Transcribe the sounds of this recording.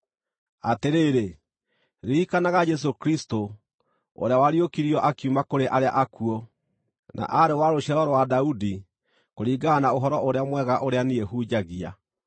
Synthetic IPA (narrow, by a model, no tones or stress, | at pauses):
ateɾeːɾe | ɾiːkanaɣad͡ʒɛs̬okɾisto | o̰ɾeawaɾiokiɾiɔʔakiumakoɾeʔaɾea̰ʔakuɔ | nʔa̰ʔaɾewaɾoɕaɾɔɾɔwadaudi | koɾiːɡanaoɦɔɾɔoɾeamwɛɣaʔoɾeanieɦuːd͡ʑaɣia̰